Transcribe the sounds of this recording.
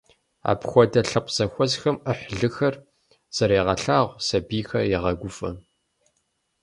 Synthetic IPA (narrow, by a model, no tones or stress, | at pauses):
a̰ːpxʷɔdɐɬɨqʷz̥ɐxʷɔzxɐməħɮɨxɐr | z̥ɐɾeːʁɐɬaːʁʷsɐbiːxɐjɛʁɐɡʷʊfɐ̰